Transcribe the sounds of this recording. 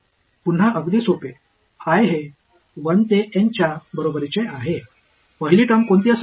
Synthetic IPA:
pun̤ːaʔəɡd̪isope | ajɦe | ʋəɳt̪eʔeɲt͡ɕjabəɾobəɾit͡ɕeʔaɦe | pəɦiliʈəmkoɳt̪iəs

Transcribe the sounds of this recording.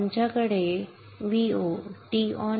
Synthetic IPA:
ɲt͡ɕakəɽe | ʋioʈiɔ

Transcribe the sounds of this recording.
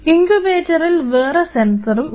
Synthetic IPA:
iŋkubeːtːɐrilʋeːrɐsensɐrum

